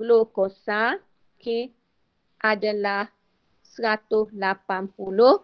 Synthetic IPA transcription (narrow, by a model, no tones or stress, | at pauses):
lokosa | ke | ʔadalah | səɾat̪ʊslapanpulʊh